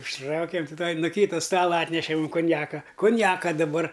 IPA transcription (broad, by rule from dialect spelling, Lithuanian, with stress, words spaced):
ʊʃˈtrɐʊkʲeːm tʲɪ tuɔj nʊ ˈkʲiːtɐ ˈstɑːlˠɐ ˈɑːtʲnʲɛʃʲɛ muːm kʊnʲˈjæːkɐ kʊnʲˈjæːkɐ dɐˈbɐr